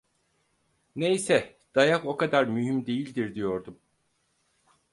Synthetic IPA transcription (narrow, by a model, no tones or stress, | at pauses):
ne̞jsɛ | d̪̥ajako̞kad̪aɾmyɦymd̪e̞jilʲd̪iɾd̪ijo̞ɾd̪um